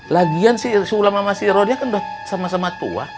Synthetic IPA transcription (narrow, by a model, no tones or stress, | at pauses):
laɡiansisulamamasiɾɔdiakandɔsamasamat̪ṵa̰